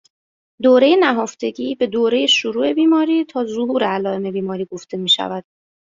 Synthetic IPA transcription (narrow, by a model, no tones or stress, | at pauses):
d̪oːɾe̞jenæɦoft̪e̞ɟiːbe̞d̪oːɾe̞je̞ʃoɾuːʔe̞biːmɒːɾiːt̪ʰɒːzoɦuːɾeælɒːe̞me̞biːmɒːɾiːɡo̞ft̪ʰe̞miːʃæ̰væd̪̥